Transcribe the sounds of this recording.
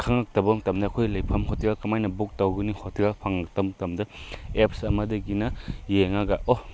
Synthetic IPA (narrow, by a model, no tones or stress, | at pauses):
kʰaŋak̚tɐbɐmtɐmdɐːkʰojlɐjpʰɐmɦotʰiɡakɐmajnɐbuk̚tawɡunihotʰiɡapʰaŋak̚tɐmtɐmdɐep̚sɐmɐdɐɡinɐjeŋaɡaʔo